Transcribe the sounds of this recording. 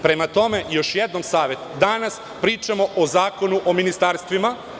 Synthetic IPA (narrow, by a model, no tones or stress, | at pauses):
pɾe̞mat̪o̞me̞jo̞ʃjed̪no̞msaːʋje̞t̪d̪anas | pɾiːt͡ʃamo̞ʔozaːko̞nuʔominist̪aɾst̪ʋima